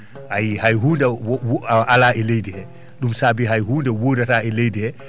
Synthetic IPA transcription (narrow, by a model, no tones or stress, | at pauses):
ʔajhajɦuːndɛwʔalaːɛlejdihɛ | ɗumsaːbiɦajɦuːndɛwodataɛlejdihɛ